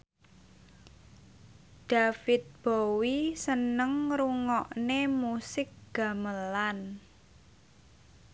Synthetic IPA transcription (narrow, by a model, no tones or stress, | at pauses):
d̥a̤fɪt̪̚b̥owisənəŋɾuŋɔʔnemusɪk̚ɡ̥a̤məlan